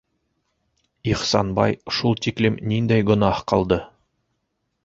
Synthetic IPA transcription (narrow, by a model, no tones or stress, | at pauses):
iχsɑnbɑ̰jʃulˠt̪iklɘmnind̪æjɡɵ̆nɑhqɑlˠd̪ɤ